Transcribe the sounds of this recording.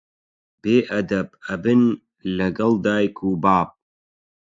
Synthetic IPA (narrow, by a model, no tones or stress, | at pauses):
b̥eːʔɐd̪ɐbɐbɨn | lɐɡɐld̪aːjkʰuːbaːb̚